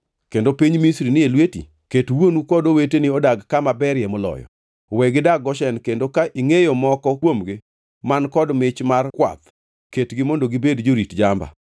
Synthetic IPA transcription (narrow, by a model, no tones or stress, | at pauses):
kendopiɲmisɾinɪelwetḭ | ketwonukɔdowetenɪɔdaɡkamabɛɾjɛmolɔ̰jɔ̰ | wɛɡɪdaɡɔʃɛnkendokaʔiŋejomɔkɔkwomɡɪ | mankɔdmɪt͡ʃmarkwa̰t̪ | ketɡɪmondoɡɪbedd͡ʒoɾitd͡ʒamba̰